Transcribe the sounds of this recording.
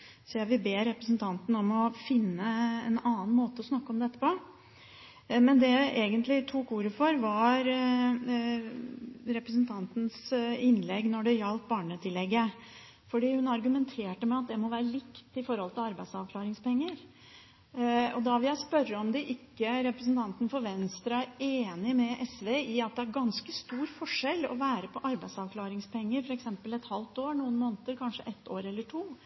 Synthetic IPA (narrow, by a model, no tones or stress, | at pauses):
sɔjæʋɪbeːɾɛpɾəsn̩t̪ʰɑnt̪n̩ɔmɔfɪnːəɛnɑːn̩moːt̪əɔsnɑkːəɔmd̪ɛt̪ːə̥pɔ | mɛnd̪ɛʔeːɡənt̪lɪt̪ʰukuːɾəfɔɾʋɑɾ | ɾɛpɾəs̬nt̪ʰɑnt̪n̩sɪnlɛɡːnɔɖɛjɑlt̪̚bɑːɳət̪ʰɪlɛɡːə | fɔɖiːhʉnɑɾɡʉmɛnt̪ʰeːʈəmɛɑt̪̚d̪ɛmɔʋæːɾəlɪkt̪ɪfɔɾhɔlt̪ɪlɑɾbæɪd̪sɑʋkʰlɑːɾɪŋspɛŋːəɾ | ɔd̪ɑʋɪjæɪspœɾːəɔmd̪ɛʔɪkːəɾɛpɾəsn̩t̪ʰɑnt̪ən̩fɔɾʋɛnst̪ɾɑɾeːnɪmɛʔɛsʋeʔɪɑt̪̚d̪ɛæɾɡɑnskəst̪uːɾfɔʂɛlːɔ̰ʋæːɾəpʰɔʔɑɾbæɪsɑʋkʰlɑːɾɪŋspʰɛŋːəɾfɔɾɛksɛmpəlɛt̪hɑlt̪oːɾnuːənmoːnt̪əɾkʰɑnʂəʔɛt̪ːoːɾɛlːəʈʰuː